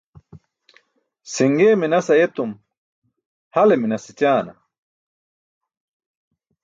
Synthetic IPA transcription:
siŋɡeːminɐsɐjet̪um | hɐleminɐsit͡ɕaːnɐ̰

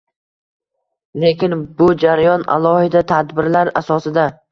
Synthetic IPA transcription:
le̞kʲɪnbʊd͡ʒaɾajɒna̰lˠɒhɪd̪at̪ʰad̪bɪɾlaɾa̰sɒsɪd̪a

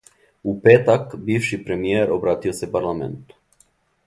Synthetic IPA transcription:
upeːt̪akbiːʋʃipɾemijeːɾobɾaːt̪iosepaɾlˠamḛnt̪u̥

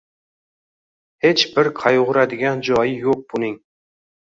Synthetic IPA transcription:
het͡ʃbɪɾqʰɑjʁʊɾad̪ɪɡʲænd͡ʒɑjɪjoq̚b̥unɨŋ

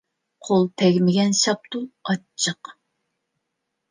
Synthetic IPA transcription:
qʰolˠt̪ʰɛɡʲmɪɡʲɛnʃɑp̚t̪uɑt͡ʃʰːəq

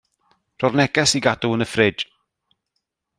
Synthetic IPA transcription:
r̥ɔrnɛɡɛsiɡaduənəfrɪd

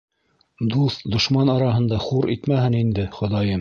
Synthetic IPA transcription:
d̪uθd̪ŏʃmɑnɑɾɑɦɤ̆nd̪ɑχuɾʔḭt̪mæhɘnind̪ɘχŏðɑjɤm

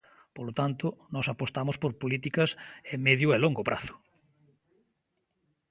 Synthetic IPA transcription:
polot̪ant̪ʊnɔsapost̪amʊspoɾpolit̪ikɐsemeðjʊɛloŋɡopɾʔa̰θʊ̥

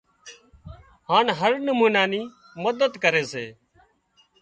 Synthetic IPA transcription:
haːnɦəɾnəmuːnaːniː | məd̪əd̪kəɾeːseː

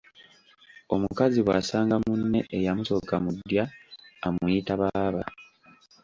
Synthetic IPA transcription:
o̞mukaziβwasaːŋɡamunːe̞ʔejamuto̞kamud̪ːjaːmuitaβaːβa

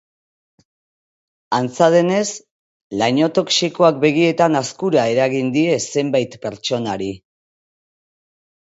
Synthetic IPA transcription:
ant͡sað̞e̞ne̞s | lajɲo̞t̪o̞ksiko̞ak̚be̞ɣ̞ie̞t̪anaskuɾae̞ɾaɣind̪ie̞se̞mbajt̪pe̞ɾt͡ʃo̞naɾi

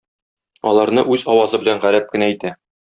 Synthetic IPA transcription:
ɒlˠɑɾnɤʔʉzɒwɑzɤbɘ̆læɴʁæɾæp̚kɘ̆næit̪æ

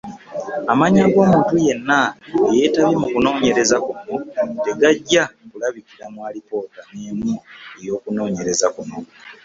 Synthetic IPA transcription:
amaɲaɡo̞ːmuːntuje̞nːaeje̞taβimukuno̞ːɲe̞ɾe̞zakuno̞te̞ɡaɟːakulaβikiɾamwaːlipo̞ːtaneːmue̞jo̞ːkuno̞ːɲe̞ɾe̞zakuno̞

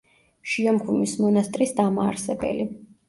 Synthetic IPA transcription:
ʃiɔmkʰumismɔnast̪ʼɾisd̪amaːɾsɛbɛ̰li

